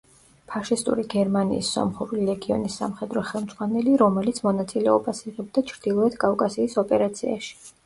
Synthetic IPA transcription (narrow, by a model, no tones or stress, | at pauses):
pʰaʃist̪ʼṵɾiɡɛɾmanḭːsːɔ̰mχuɾulilɛɡiɔ̰nisːa̰mχɛd̪ɾɔχɛlˠmd̪z̥ʁwanɛliɾɔmɛlit̪sʰmɔnat̪sʼilɛɔbasiʁɛb̚d̪at͡ʃʰɾd̪̥ilˠɔɛt̪ʰkʼafkʼasiːsɔpʼɛɾat̪sʰia̰ʃi̥